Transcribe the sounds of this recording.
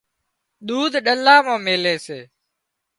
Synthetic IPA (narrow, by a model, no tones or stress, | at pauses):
ɗ̪uːd̪ʱɗəlːaːmãːmeːleːseː